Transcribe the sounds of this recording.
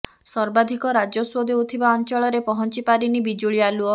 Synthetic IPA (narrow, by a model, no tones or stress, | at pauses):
sɔɾbad̪ʱikɔɾad͡ʒɔswod̪ʱeut̪ʰibaɔnt͡ʃɔɭɔɾepɔɦɔnt͡ʃipaɾinibid͡ʒuɭialuɔ